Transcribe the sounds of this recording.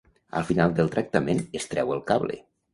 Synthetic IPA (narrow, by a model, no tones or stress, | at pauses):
ə̰lˠfinalˠd̪əlˠt̪ɾək̚t̪əmenest̪ɾɛwəlˠkaβlḛ